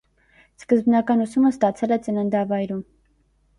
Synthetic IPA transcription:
skəzbnɑkɑnusuməst̪ɑt͡sʰɛlɛt͡sənənd̪ɑvɑjɾum

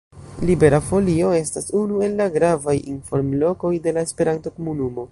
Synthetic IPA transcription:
libe̞ɾafo̞lio̞e̞stasunue̞lːaɡɾavajḭnfo̞ɾmlo̞ko̞jde̞laespe̞ɾanto̞ko̞munumo̞

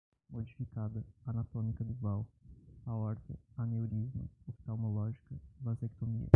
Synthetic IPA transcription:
mod͡ʒifikad̪ɐanat̪õmikɐd̪ʊvawaɔɾt̪ɐanewɾizmʊ̰opi̥t̪awmolɔʒikɐvazɛk̚t̪omḭɐ̰

